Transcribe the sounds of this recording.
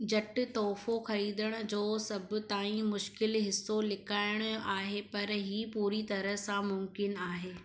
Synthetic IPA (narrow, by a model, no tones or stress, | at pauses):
d͡ʑɐʈɪ̆t̪ɔːfoxɐɾiːd̪əɽ̃ʊ̆d͡ʑoːsɐbʱʊ̆t̪aːĩmʊʃkɪlɦɪsːolɪkʰaːɪɽ̃ʊaːɦepɐɾɦiːpuːɾit̪ɐɾəɦsãmʊmkɪnaːɦeː